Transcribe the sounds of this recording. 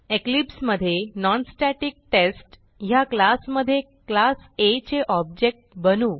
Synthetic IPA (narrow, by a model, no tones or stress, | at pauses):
eklipsməd̪ʱːjenɔnsʈæʈik̚ʈesʈ | jaklasməd̪ʱːje | klaset͡ɕeʔɔb̚d͡ʑek̚ʈ̚bənuː